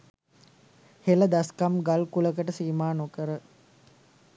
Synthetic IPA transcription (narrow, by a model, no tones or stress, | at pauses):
heləd̪askamɡalkuləkəʈəsiːmaːnokəɾə